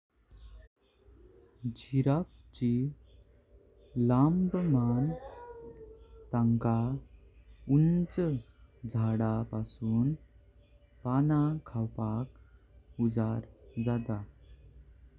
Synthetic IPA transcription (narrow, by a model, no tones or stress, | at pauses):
d͡ʑiɾap̚t͡ɕi | lambəman | t̪aŋka | unt͡səd͡zʱaɽapasuːn | panakʰawpak | ud͡zaɾd͡zat̪a